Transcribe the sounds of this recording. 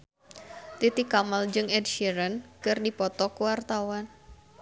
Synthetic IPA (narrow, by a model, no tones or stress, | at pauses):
t̪it̪ikamald͡ʒɨŋɛdʃiɾənkɨrdipɔt̪ɔkəwart̪awan